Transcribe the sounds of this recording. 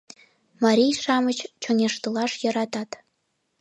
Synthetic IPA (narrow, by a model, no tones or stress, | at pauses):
mɑɾʲijʃɑmət͡ɕt͡ɕonʲeʃt̪ɤlɑʃjɤ̆ɾɑt̪ɑt̪